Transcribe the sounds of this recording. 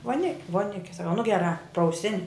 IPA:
ʋoːˈnʲɪkʲ ʋoːˈnʲɪkʲɛ sɐˈkɐʊ nʊ ɡʲɛˈrɑː prɐʊˈsʲɪnʲ

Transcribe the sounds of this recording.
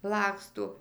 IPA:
ˈlˠɑːkstoː

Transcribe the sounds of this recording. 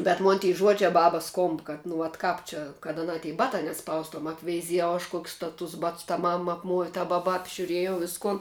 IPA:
bʲɛt ˈmoːn tʲiː ˈʒuɔd͡ʒʲɛ ˈbɑːbɐs ˈskoːmp kɐt nʊ ʋɐt ˈkɑːp t͡ʃʲɛ kɐt ɐˈnɑː tʲiː ˈbɑːtɑː nʲɛˈspɐʊstuɔm ɐpʲʋʲɛɪˈzʲiɛjɛʊ ɐʃ kuɔkʲsʲ tɐ tʊs ˈbɐts tɐ ˈmɐm ɐpˈmuɔʋʲɪ tɐ ˈbɑːbɐ ɐbʲʒʲʊˈrʲiɛjɛʊ ˈʋʲɪskʊn

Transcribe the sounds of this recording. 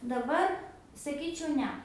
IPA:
dɐˈbɐr sɐˈkʲiːt͡ʃʲɛʊ ˈnʲɛ

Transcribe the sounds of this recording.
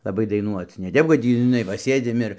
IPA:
lˠɐˈbɐɪ dɐɪˈnuɔt͡s nʲɛ ˈtʲɛp kɐt ˈtʲiː ʒʲɪˈnɐɪ ʋɐ ˈsʲeːdʲɪm ɪr

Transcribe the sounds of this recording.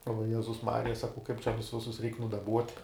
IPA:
oː ʋɐˈjæːzʊs ˈmɑːrʲɪjɛ ˈsɑːkɐʊ kɐɪp t͡ʃʲɛ ˈʋʲɪsʊs ˈjʊs ˈrʲɛɪk nʊdɐˈbuɔtʲ

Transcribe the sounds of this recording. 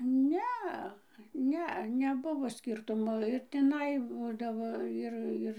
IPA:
ˈnʲɛɐ ˈnʲɛ nʲɛˈbʊʋoː ˈsʲkʲiːrtʊmoː ɪr tʲɪˈnɐɪ ˈbuːdɐʋoː ˈɪr ˈɪr

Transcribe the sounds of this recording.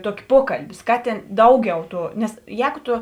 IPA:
ˈtuɔkʲɪ ˈpuɔkɐlʲbʲɪ ˈskɑːˌtʲeːn ˈdɐʊˌɡʲɛʊ ˈtuː ˈnʲɛs ˈjɛːɡʊ ˈtʊ

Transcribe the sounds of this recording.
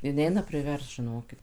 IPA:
ɪ ˈnʲɛɪnɐ pʲrʲɪˈʋʲɛrst ʒʲɪˈnoːkʲɪt

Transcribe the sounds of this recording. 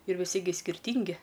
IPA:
ɪr ʋʲɪˈsʲɪ ɡʲɪ sʲkʲɪrʲˈtʲiːŋʲɡʲɪ

